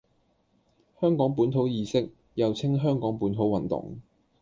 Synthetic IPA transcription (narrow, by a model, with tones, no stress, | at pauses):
hœː˥ŋkɔː˨˥ŋp̬uː˨˥nt̪ʰo˨˥wjiː˨˩sɪ˥k̚ | jɐ˨wt͡sʰɪ˥ŋɦœː˥ŋkɔː˨˥ŋpuː˨˥nt̪ʰo˨˥wɐ˨˩nt̪ʊ̰˨˩ŋ